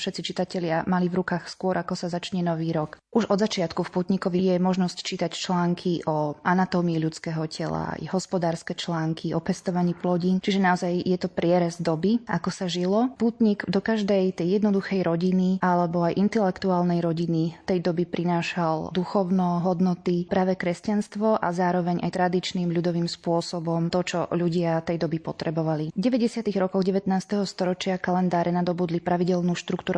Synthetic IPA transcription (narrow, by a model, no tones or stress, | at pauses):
fʃɛt̪t͡sit͡ʃit̪acɛʎɪamalivɾukaːxskʊɔɾakɔsazat͡ʃɲɛnɔʋiːɾɔkʔuʒɔd̪zat͡ʃɪat̪kufpuːt̪ɲikɔʋijɛmɔʒnɔsct͡ʃiːt̪act͡ʃlaːŋkʰiʔɔʔanat̪ɔmiːʎut͡skɛːɦɔcʰɛla̰jɦɔspɔd̪aːɾskɛt͡ʃlaːŋkʰiɔpɛst̪ɔʋaɲiːplɔɟint͡ʃiʒɛnaɔzajjɛt̪ɔpɾɪɛɾɛzd̪ɔbiʔakɔsaʒilɔpuːt̪ɲiɡd̪ɔkaʒd̪ɛjt̪ɛjːɛd̪nɔd̪uxɛjɾɔɟiniʔalɛbɔajʔint̪ɛlɛkt̪uaːlnɛjɾɔɟinit̪ɛjd̪ɔbipɾʔinaːʃald̪uxɔʊnɔɦɔd̪nɔt̪ipɾaːʋɛkɾɛscanst̪ʋɔʔazaːɾɔʋɛɲa̰jt̪ɾad̪it͡ʃnimʎud̪ɔʋimspʊɔsɔbɔmt̪ɔt͡ʃɔ̰ʎuɟɪat̪ɛjd̪ɔbipɔt̪ɾɛbɔʋaliɟɛʋɛɟɛsɪat̪iɣɾɔkɔɣɟɛʋɛt̪naːst̪ɛɦɔst̪ɔɾɔt͡ʃɪakalɛnd̪aːɾɛnad̪ɔbuːd̪lipɾaʋiɟɛlnuːʃt̪ɾukt̪uːɾu